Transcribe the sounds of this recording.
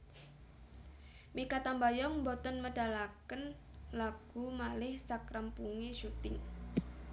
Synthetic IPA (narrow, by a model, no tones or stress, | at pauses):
mikat̪ambajɔŋmbɔt̪ənməɖ̥a̤lakən | laɡ̥ṳmalɪhsakɾampuŋeʃut̪ɪŋ